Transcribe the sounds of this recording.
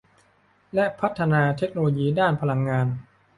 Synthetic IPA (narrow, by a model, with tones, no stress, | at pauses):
lɛ˦˥ʔpʰa˦˥t̪ʰːa˧naː˧t̪ʰe˦˥k̚noː˧loː˧jiː˧daː˥˩npʰa˧la˧ŋːaː˧n